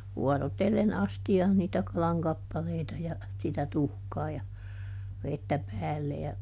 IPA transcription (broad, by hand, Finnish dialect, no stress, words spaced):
ʋuɔrotelːen ɑstiɑːn niːtæ kɑlɑŋ kɑpːɑleitɑ jɑ sitæ tuhkɑː jɑ ʋetːæ pæːlːe jɑ